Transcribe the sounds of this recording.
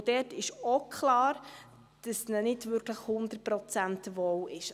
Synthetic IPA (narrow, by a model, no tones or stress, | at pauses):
d̥ɛːtɪʃokχlɑːɾ | d̥əsnənɪdʋʏɾkləχhʊnd̪əpɾɔt͡sæntʋɔwɪʃ